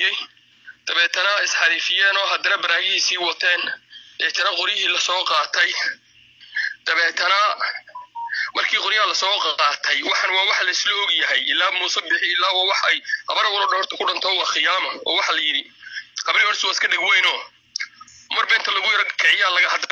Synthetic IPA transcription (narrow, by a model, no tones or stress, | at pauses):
ɛj | d̪̥ɐβɛːt̪ʰɐnɐɪsħɑɾiːfɪjɛːnɔːɦɐd̪ɐnɐbɐɾaːɣɪhiːsiːwɑt̪ʰɛːnd̪ɐɛːt̪ʰɐnɐqʊɾɪjɐɦiːlɐsɔːqɑːt̪ʰɛj | d̪̥ɐβɛːt̪ʰɐnɐ | mɐrkʰiːqʊɾɪjɐɐlɐsɔːqɑːt̪ʰɛjwɑħɑnwɑːwɑħɑlɐɪslɔɔɡjɐɦɛjɪlːaːmuːsɐbɪħɪɪlːaːwaːwɑħɛjhɐ̰βɐɾɐwɔɾɔːɖɔhɔrt̪ʰɐkʰʊɖɐnt̪ʰɔːwɑːxɪjaːmɐɔ̰ːwɑħɑlɐjɪɽɪhɐbɐɾihɔɽswaːɪskʰɐɖɐɡwɛjnɔː | mɐrbɛːnt̪ʰɐlɐɣʊjɐɾɔkʰɛʕɪjaːlɐɣɐhɐd̪